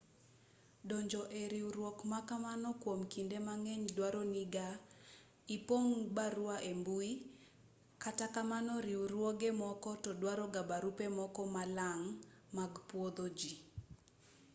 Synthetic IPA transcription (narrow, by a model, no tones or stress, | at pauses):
dɔɲd͡ʒɔʔeɾiuɾwokmakamanɔkwomkindemaŋɛɲdwaɾɔniɡa | ipoŋbaɾuaʔembui | katakamanɔɾiuɾwoɡemɔkɔtɔdwaɾɔɡabaɾupemɔkɔmalaŋ | maɡpwod̪od͡ʒi